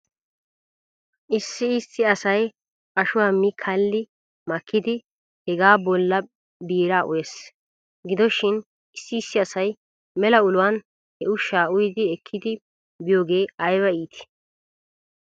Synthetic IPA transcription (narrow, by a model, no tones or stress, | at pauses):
ʔɪsːɪɪsːɪɐsɐj | pʼɐʃʊwaːmːɪkʰɐlːɪ | mɐkʰːɪd̪ɪ | hɛɡaːbɔlːɐ | biːɾaːʔʊ̰jes | ɡɪd̪ɔʃɪn | ɪsːɪɪsːɪɐsɐj | mɛlɐʊlʊwan | hɛʊʃːaːʊjd̪ɪɛkʰːɪd̪ɪ | bɪjoːɡe̞ːɐjbɐiːt̪ʰɪ̥